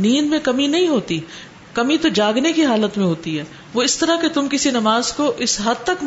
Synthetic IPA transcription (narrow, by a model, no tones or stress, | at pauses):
niːnmẽkɐminɐɦĩɦoːt̪i | kɐmit̪od͡ʒaːɡnekiɦaːlət̪mẽɦoːt̪iɦɛː | ʋoɪst̪ɐɾaket̪ʊmkɪsinɐmaːzkoʔɪsɦɐd̪̚t̪ɐk